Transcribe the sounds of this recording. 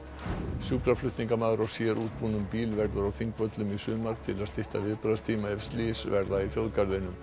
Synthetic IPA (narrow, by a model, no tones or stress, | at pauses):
sjuːkɾaflʏht̪niŋkamaːðɾɔwsjɛɾʔuːt̪̚puːnʏmpiːlvɛɾðʏɾawθiŋkvœt̪lʏmisʏːmaɾ̥t̪ʰɪlaðst̪ɪht̪a̰vɪðpɾaast̪ʰiːmaɛfst̪liːsvɛɾðaiθjowðkaɾðɪnʏm